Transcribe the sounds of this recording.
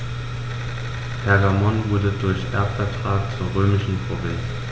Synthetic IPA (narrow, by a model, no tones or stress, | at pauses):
pʰɛɐɡamɔnvʊɐdədʊɐçʔɛ̰ɐpfɛɐtʁ̥aːkt͡suːɐʁøːmɪʃn̩pʁ̥ovɪns